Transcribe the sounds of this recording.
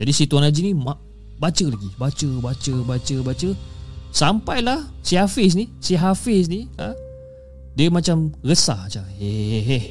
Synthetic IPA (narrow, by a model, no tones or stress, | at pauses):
d͡ʒadisit̪uanad͡ʒinima | bat͡ʃəlaɡibat͡ʃəbat͡ʃəbat͡ʃəbat͡ʃəsampajlahsihafis̬nisiɦafis̬nia | diəmat͡ʃamɣəsahat͡ʃaeeɦe